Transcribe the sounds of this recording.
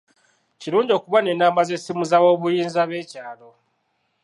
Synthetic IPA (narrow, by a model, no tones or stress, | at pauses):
ciɾuːɲɟo̞ːkuβanenaːmazesimuzawo̞ːβujiːnzaβe̞ːcaːlo̞